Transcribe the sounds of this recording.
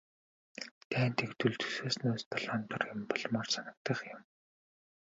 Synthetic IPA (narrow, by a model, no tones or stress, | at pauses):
t̪ʰæːnt̪ikt̪uɮt̪ʰɵ̥seːsnuːst̪ʰɔɮaːnt̪ərjɪmpɔɮmɔːrsanə̆k̚t̪ə̆χjʊm